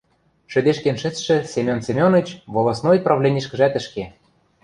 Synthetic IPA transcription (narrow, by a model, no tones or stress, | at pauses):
ʃɘ̆d̪eʃkenʃɘ̆t͡sʃɘ̆sʲemʲonsʲemʲonɤ̆t͡ɕvolˠɑsnojprɑvlʲenʲiʃkɘ̆ʒæt̪ɘ̆ʃke